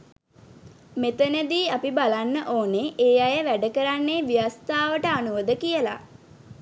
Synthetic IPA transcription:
met̪ənəd̪iːapibalanːəʔoːneʔeːajəʋæɖəkəɾanːeʋijast̪aːʋəʈəanuʋəd̪əkijəla̰

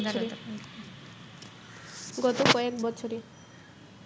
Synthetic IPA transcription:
t͡ɕʰoɾe | ɡɔt̪okɔekbɔt͡ɕʰoɾe

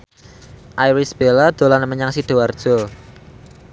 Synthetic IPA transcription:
ʔajɾisb̥elad̪̥o̤lanəməɲaŋsid̪̥o̤ward̥ʒ̥ɔ

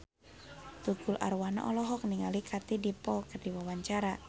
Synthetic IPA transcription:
t̪uɡ̥ulʔa̰ɾwana̰ʔɔlɔɦɔk̚niŋalikʰat̪idipɔlkərdiwawaɲt͡ʃaɾa

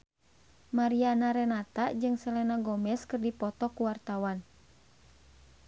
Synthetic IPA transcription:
maɾianaɾɛnat̪aʔd͡ʒɨŋsɛlɛnaɡɔmɛskɨrdipɔt̪ɔkuwart̪awan

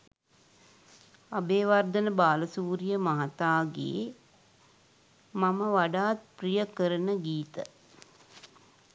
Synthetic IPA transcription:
abeːʋard̪ənəbaːləsuːɾijəmaɦat̪aːɡḛː | maməʋaɖaːt̪̚prijəkəɾənəɡiːt̪ə

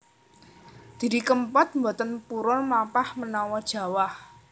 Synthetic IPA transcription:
d̪̥i̤ɾikəmpɔt̪̚mbot̪ənpuɾɔmapahmənɔwɔd̥ʒ̥ä̤wah

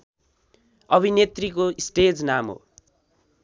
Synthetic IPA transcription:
ʌbʱinet̪rikoisʈed͡znamɦo̰

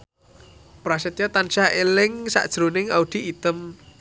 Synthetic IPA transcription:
pɾasət̪jɔt̪anʃaʔelɪŋsa̰ʔd̥ʒ̥ɾunɪŋaud̪̥i̤ʔːt̪əm

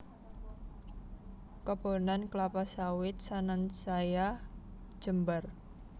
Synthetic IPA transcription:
kɔb̥o̤nanklapasawɪt̪̚sanansajḁ | ʒ̥əmbər

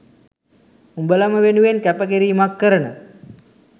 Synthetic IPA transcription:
umbəlaməʋenuʋenkæpəkeɾiːmakːəɾənə

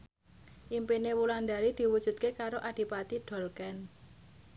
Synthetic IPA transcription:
ʔimpinewuland̪aɾid̪̥i̤wud̥ʒ̥ṳt̪̚kekaɾoʔad̪̥i̤pat̪iɖ̪̥ɔ̤lkɛn

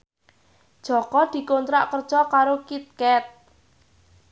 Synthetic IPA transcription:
ʒ̥ɔ̤kɔd̪̥i̤kont̪ɾaʔkər̥ʒ̥ɔkaɾokit̪̚kɛt̪̚

